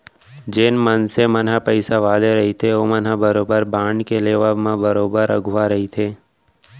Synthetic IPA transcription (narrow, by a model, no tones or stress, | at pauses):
d͡ʒeːnmənsemənɦapəɪsaʋaːd̪eɾɐɦit̪ʰeomənabəɾoːbəɾbaːɳɖkeleːʋamãbəɾoːbəɾə̰ɡʱʊʋaɾəɦit̪ʰeː